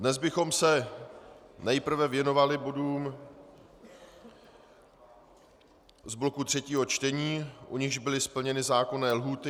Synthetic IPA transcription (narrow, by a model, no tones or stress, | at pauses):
dnɛzbɪxo̞msɛ | nɛjpr̩vɛvjɛno̞valɪbo̞duːm | zblo̞kut̪r̝̥ɛciːɦo̞t͡ʃt̪ɛɲiːʔuɲɪɣʒbɪlɪspl̩ɲɛnɪzaːko̞nɛːlɦuːt̪ɪ